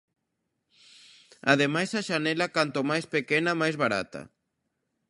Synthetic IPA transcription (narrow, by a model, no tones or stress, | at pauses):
a̰ðemajsaʃanɛlakant̪omajspekɛnamajzβaɾa̰t̪ɐ̰